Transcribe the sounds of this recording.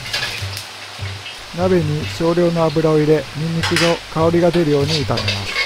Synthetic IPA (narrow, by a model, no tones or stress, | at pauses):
nabe̞ɲ̟iɕo̞ːɾʲo̞ːnoabɯ̟ɾaoiɾe̞mʲĩɲʲːikɯ̟zo̞kao̞ɾʲiɡad̪e̞ɾɯ̟jo̞ːɲ̟iɯt̪ame̞ma̰sɨ̥